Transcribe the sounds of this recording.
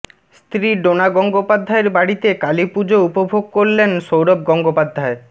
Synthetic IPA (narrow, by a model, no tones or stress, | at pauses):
st̪ɾiɖonaɡɔŋɡopad̪ʱːaeɾbaɽit̪ekalipud͡ʑoupobʱoɡ̚koɾlenʃowɾob̚ɡɔŋɡopad̪ʱːae